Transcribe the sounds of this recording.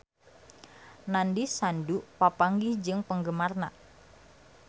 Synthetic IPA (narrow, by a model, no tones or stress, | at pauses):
nandisandupapaŋɡid͡ʒɨŋpəŋɡəmarna